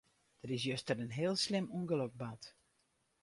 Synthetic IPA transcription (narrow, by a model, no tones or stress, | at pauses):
d̥əɾɪs̬jøstəɾənɦeːəlˠslɪmuəŋɡəlok̚bat